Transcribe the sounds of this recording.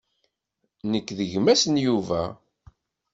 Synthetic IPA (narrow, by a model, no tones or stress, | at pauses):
nəkːðəʝmæsənjuvæ̰